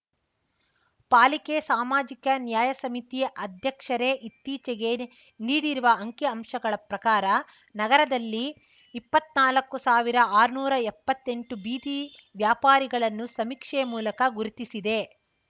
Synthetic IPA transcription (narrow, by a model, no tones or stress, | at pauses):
paːlikesaːmaːd͡ʒikɐnjaːjɐsɐmit̪ijɐʔɐd̪ʱjɐkʂɐɾe̞ʔit̪ːiːt͡ʃeɡe̞ | niːɽiɾuʋɐɐŋkjɐɐmʂɐɡɐɭɐpɾɐkaːɾɐ | nɐɡɐɾɐd̪ɐlːiː | pːɐt̪naːlɐkːusaːʋiɾɐaːɾunuːɾɐepːɐt̪ːe̞ɳʈubiːd̪iʋjaːpaːɾiɡɐɭɐnːusɐmikʂɛmuːlɐkɐɡuɾut̪isid̪e̞